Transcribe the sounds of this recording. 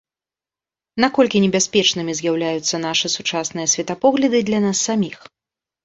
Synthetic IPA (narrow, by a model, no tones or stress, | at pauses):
nakɔlʲkʲinʲɛbʲasʲpʲɛt͡ʂnɨmʲizʲjawlʲajut̪sːɐn̪aʂɨsut͡ʂasnɨjɐsʲvʲɛt̪apɔɣlʲɐd̪ɨd̪lʲanasːamʲix